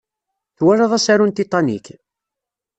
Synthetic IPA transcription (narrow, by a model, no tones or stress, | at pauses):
θwæɾɑðˤɑsaɾunt̪it̪ˤɑnḭk